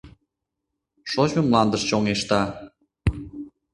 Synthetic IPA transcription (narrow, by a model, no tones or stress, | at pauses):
ʃoʑmə̆mlɑnd̪əʃt͡ɕoŋeʃt̪ɑ